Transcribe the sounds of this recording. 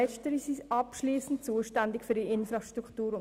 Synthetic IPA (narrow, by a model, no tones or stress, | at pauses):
ɛt͡ʃtəɾisisʔɑpʃliːsn̩t̚t͡suːəʃtændɪkfydiɪnfɾɑʃtɾuktuːɾʊ